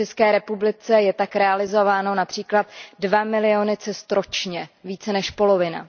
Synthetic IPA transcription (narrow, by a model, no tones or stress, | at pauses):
t͡ʃɛskɛːɾɛpublɪt͡sɛjɛt̪akɾɛalɪzo̞vaːno̞napr̥iːklat̪dvamɪlɪo̞nɪt͡sɛst̪ɾo̞t͡ʃɲɛviːt͡sɛnɛʃpo̞lo̞vɪna̰